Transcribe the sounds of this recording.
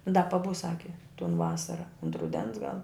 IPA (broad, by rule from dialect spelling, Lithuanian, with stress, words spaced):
dɐ pɐˈbʊs ˈsɑːkʲɪ toːn ˈʋɑːsɐrɐ ʊnt rʊˈdʲɛns ɡɐlˠ